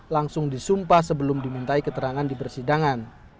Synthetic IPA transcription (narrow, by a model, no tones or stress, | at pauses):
laŋsʊŋdisumpahsəbəlʊmdimunt̪aikət̪əɾaŋandipərsidaŋan